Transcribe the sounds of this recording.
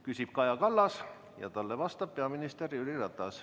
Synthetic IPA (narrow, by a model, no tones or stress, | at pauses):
kysʲip̚kɑjɑkɑlːɑs | jɑ̰t̪ɑlːevɑst̪ɑb̥̚peɑminist̪eriylirɑt̪ːˑɑs